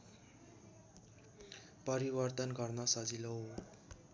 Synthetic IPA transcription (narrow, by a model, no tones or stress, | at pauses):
pʌɾibʌrt̪ʌnɡʌrnʌsʌd͡zilo